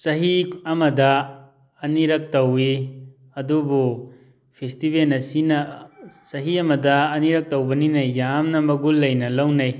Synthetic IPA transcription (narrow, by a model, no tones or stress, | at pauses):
sɐɦiɐmɐdɐ | ɐniɾɐk̚tɐwi | ɐdubu | pʰestibelnɐsinɐsɐɦiɐmɐdɐːniɾɐk̚tɐwbɐninɐjːamnɐmɐɡulːɐjnɐlɐwnɐj